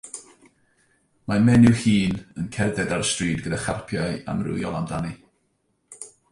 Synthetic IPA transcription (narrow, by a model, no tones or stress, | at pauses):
mamɛnɪwhiːnənkʰɛrðɛdaɾəstriːdɡədaχarpʰjaja̰mrʊ̰jɔlˠamdani